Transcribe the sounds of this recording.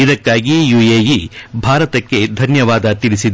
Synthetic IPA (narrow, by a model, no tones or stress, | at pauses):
id̪ɐkːaːɡijujeːjibʱaːɾɐt̪ɐkːe̞d̪ʱɐnjɐʋaːd̪ɐt̪ilisid̪